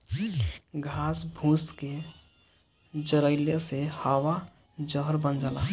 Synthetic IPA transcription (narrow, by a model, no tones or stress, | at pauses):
ɡʱasbʱũske | d͡ʒəɾəlesehaʋa | d͡ʒəɦəɾbənd͡ʒala